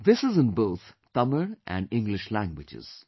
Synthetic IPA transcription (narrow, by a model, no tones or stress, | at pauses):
ðɪsɨzə̃nboʊt̪ | tʌmə˞ʔæ̰̃nɖɪ̃ŋɡlɪʃlæ̃ŋɡwɪd͡ʒɪ̰z̥